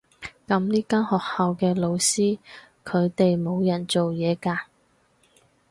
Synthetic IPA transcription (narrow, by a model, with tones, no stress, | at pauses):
kɐ˨˧mniː˥kaː˥nhɔː˨k̚hɐ˨wkɛː˧lo˨˧wsiː˥ | kʰɵ˨˧ɥt̪e˨jmo˨˧wjɐ˨˩nt͡so˨wjɛː˨˧kaː˧